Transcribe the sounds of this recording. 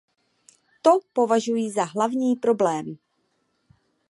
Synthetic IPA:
t̪o̞po̞vaʒujiːzaɦlavɲiːpɾo̞blɛːm

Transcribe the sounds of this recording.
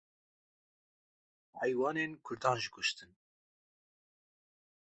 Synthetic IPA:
hɛjwɑːneːnkʰʊɾd̪ɑːnʒikʰʊʃt̪ɨn

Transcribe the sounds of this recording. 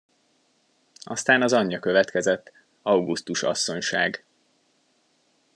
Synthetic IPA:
ʔɒst̪aːnɒzɒɲːɒkø̞vɛt̪kɛzɛt̪ː | ɒwɡust̪uʃɒ̰sːo̞ɲʃaːɡ

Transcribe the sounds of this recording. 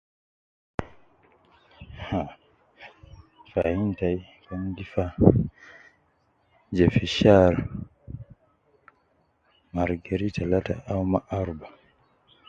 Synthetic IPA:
ha | fahintajkaŋɡifa | d͡ʒɛfiʃaɾ | maɾɡaɾitʰalata̰ʔawmaʔaɾba

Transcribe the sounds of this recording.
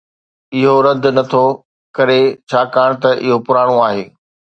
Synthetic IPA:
ɪɦoɾɐd̪ʱnɐt̪ʰo | kɐɾet͡ɕʰaːkaːɽ̃t̪ɐʔɪɦopʊɾaːɽ̃oaːɦeː

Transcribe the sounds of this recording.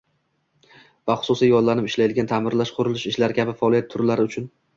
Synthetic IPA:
vaχʊ̥sʊsijɒnlanɪpɪʃlajɪd̪ɪɡʲant̪ʰamɪɾlaʃqʰʊɾʊlɪʃɪʃlaɾɪkʲʰabɪfaɒlˠijat̪ʰʊɾlaɾɪʊt͡ʃʰʊn

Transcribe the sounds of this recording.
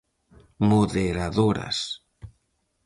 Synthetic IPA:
moðeɾaðoɾa̰s

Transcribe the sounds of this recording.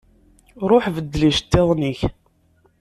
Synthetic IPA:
ɾˤoħvəd̪ːliʃt̪ːeðˤniç

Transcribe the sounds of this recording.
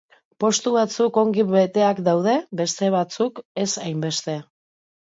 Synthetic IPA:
po̞st̪uβat͡suko̞ŋɡiβe̞t̪e̞akd̪awð̞e̞be̞st̪e̞β̞at͡suke̞sajmbe̞st̪e̞

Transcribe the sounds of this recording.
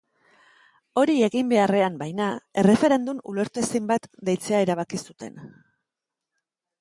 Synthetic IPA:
o̞ɾie̞ɣimbe̞are̞ambajnae̞re̞fe̞ɾe̞nd̪umṵle̞ɾt̪uesejmbat̪d̪ejt͡se̞aeɾaβ̞akisut̪e̞̰n

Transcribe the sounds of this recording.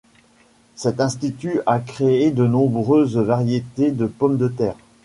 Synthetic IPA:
sɛt̪ɛ̃st̪it̪yakχeed̪ənɔ̃bʁøzvaʁjet̪ed̪əpɔmd̪ət̪ɛːʁ

